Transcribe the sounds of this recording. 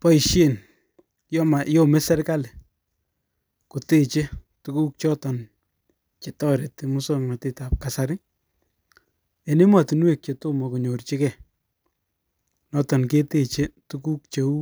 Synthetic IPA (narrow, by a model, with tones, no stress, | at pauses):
pɔ˦i˨ʃe˦˨n | jɔ˦ma˨jɔ˦me˦sɛ˦ɾka˦le˨ | ko˨te˦˨t͡ʃe˦ | tu˦ku˦k̚t͡ʃɔ˦tɔ˨n | t͡ʃe˨tɔ˦ɾe˨te˨mu˦so˦ŋma˨te˦ta˨p̚ka˨sa˦ɾɪ˦ | e˨ne˦ma˨ti˨nwe˨k̚t͡ʃe˨to˦mɔ˨ko˨ɲo˨rt͡ʃi˦kɛ˨ | nɔtɔ˨nke˦te˦t͡ʃe˦tu˦ku˦k̚t͡ʃe˨u˦